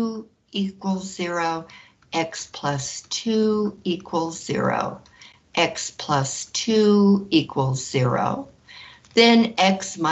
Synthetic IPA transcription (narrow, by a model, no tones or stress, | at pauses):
ikwl̩ˠzɪɹoʊ | ʔɛkspʰl̥ʌstʰʉikʰwəl̩ˠzɪ̰ɹo̰ʊ | ʔɛkspʰl̥ʌstʰʉuikʰwəl̩ˠz̥ɪɹo̰ʊ | ðɨ̃nɛksma